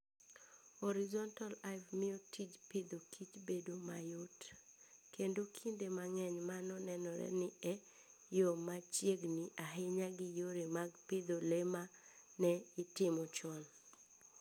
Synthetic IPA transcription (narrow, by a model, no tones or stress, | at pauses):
hɔɾɪzɔntalavmɪotʰit͡ʃpɪd̪okʰit͡ʃbedomajot | kendokʰindemaŋɛɲmanɔnɛnɔɾɛ̰nɪɛ | jomat͡ʃjeɡnɪʔaɦɪɲaɡɪjoɾemaɡpɪd̪olema | nɛɪtɪmɔt͡ʃɔn